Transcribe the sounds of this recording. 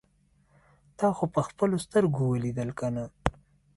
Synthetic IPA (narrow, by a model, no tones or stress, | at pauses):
t̪ɑxopəxpəlost̪əɾɡowəlid̪əlkana